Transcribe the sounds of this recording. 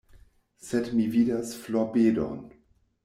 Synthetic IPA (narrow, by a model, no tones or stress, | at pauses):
sɛdmiviːdasflobeːdo̰n